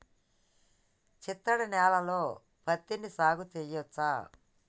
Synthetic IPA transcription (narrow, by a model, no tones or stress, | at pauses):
t͡ʃit̪ːɐɽɐnɛːlɐloː | pʰɐt̪ːinisaːɡut̪ejɔt͡sːaː